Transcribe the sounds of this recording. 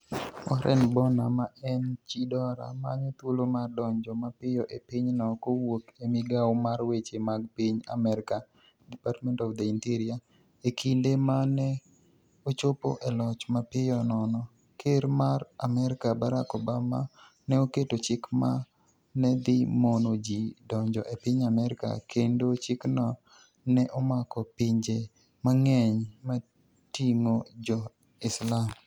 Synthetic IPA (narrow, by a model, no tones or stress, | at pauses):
ɔɾʔɛ̰nbɔnamaɛnt͡ʃidɔɾa̰ma̰ɲot̪wolomardɔɲd͡ʒɔmapɪjɔʔepɪɲnɔkowokemɪɡawmaɾwet͡ʃemaɡ̚piɲa̰mɛɾɪka | dipatmɛntɔfd̪ɛintiɾia | ekʰindemanɛ | ot͡ʃopo̰ʔɛlɔt͡ʃmapɪjɔnɔnɔ | kʰeɾmaɾamɛɾɪkabaɾakobama̰ | nɛoketot͡ʃɪkma | nɛd̪ɪmonod͡ʒidɔɲd͡ʒɔʔepɪɲamɛɾɪka̰kʰendot͡ʃɪknɔ | nɛʔɔmakɔpɪɲd͡ʒe | maŋɛɲma | tiŋod͡ʒɔ | ɪslam